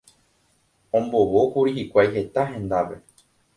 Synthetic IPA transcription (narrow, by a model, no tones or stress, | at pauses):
õ̞mbo̞ʋokuɾihikʷajɦe̞t̪aɦẽ̞nd̪aʋe̞̰